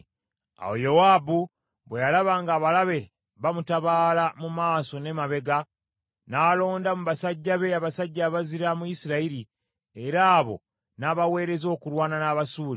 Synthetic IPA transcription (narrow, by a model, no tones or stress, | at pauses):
a̰wojowaːbu | βwejalaβaŋɡaːβalaβe̞ | βamutaβaːlamumaːso̞ne̞maβe̞ɡa | naːlo̞ːndamuβasaɟːaβe̞aβasaɟːaβaziɾamuisiɾaiɾi | eɾaːβo̞̰ | naːβawe̞ːɾe̞zo̞ːkuɾwaːnanaːβasuːli